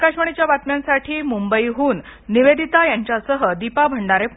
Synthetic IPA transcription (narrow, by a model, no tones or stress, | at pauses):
kaɕʋəɽet͡ɕjaʋat̪mjãnsaʈʰiːmumbəiɦuːnːiʋed̪ʱit̪ajaɲt͡ɕjasəɦəd̪ipabʱəɳɖaɾe